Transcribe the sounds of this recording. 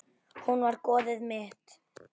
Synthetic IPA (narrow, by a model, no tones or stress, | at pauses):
hunvaɾkɔːðɪðmɪht̪